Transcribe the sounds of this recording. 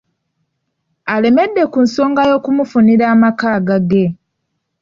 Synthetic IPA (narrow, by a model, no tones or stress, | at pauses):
ale̞me̞dːe̞kunso̞ːŋɡajo̞ːkumufuniɾaːmakaːɡaɡe̞